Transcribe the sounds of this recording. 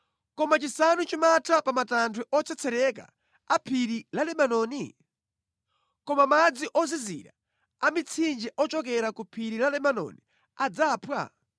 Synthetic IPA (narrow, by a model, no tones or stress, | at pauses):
kɔmat͡ʃisanut͡ʃimatʰapamatantʰwuʔɔt͡sʰɛt͡sʰɛɾɛk̬a̰ | apʰiɾilalɛmanɔːni | kɔmamad͡ziʔɔzizḭɾa̰ | amit͡sʰind͡ʒɛʔɔt͡ʃɔkɛɾakupʰiɾilalɛmanɔ̰ni | ad͡zaːpʰwa̰